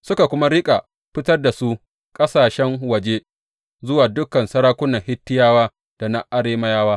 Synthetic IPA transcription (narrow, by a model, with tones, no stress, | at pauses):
sʊ˦ka˨kʷʊ˦ma˦ɽɪ˦kʼa˨ | ɸɪ˦tɐ˦rda˨su˦ | kʼɐ˦saː˨ʃɛ˦ŋwɐ˨d͡ʒe˦ | zʊ˦waː˨dʊ˦kɐ˨nsɐ˦ɾaː˦kʷʊ˦nɐ˨ŋhɪ˦tːɪ˦jaː˦waː˦ | d̥a˨na˦ʔa˨ɽeː˦mɐ˦jaː˦waː˦